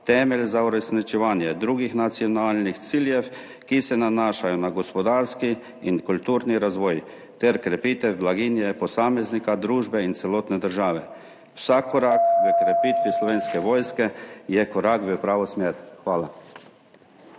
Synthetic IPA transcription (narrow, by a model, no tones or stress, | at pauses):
t̪ɛːmɛlzauɾɛsnit͡ʃɛʋaːnjɛd̪ɾuːɡixnat̪siɔnaːlnixt̪siːljɛw | kisɛnanaːʃajɔnaɡɔspɔd̪aːɾski | inkult̪uːɾniɾazʋɔːj | t̪ɛɾkɾɛpiːt̪ɛwblaɡinjɛpɔsaːmɛznikad̪ɾuːʒbɛint̪sɛloːt̪nɛd̪əɾʒaːʋɛ | wsakʰːɔɾakʋəkɾɛpiːt̪ʋislɔʋeːnskɛʋɔːjskɛjɛkɔɾakbəpɾaːʋɔsmeɾxʋaːla